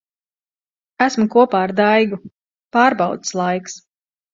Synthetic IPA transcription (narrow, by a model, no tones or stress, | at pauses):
æsmukuɔpaːɾd̪ajɡu | paːɾbɑwt̪slˠajks